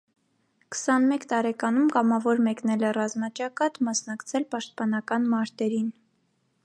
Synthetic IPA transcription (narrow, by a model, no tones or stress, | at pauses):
kə̥sɑnmɛkt̪ɑɾɛkɑnumkɑmɑvɔɾmɛknɛlɛrɑzmɑt͡ʃɑkɑt̪mɑsnɑkt͡sʰɛlpɑʃt̪̚pɑnɑkɑnmɑɾt̪ɛɾin